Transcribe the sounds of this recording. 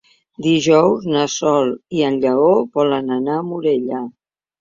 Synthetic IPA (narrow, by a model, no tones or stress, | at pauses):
d̪iʒɔwznasɔlˠiənʎəoβɔlənənaəmuɾeʎə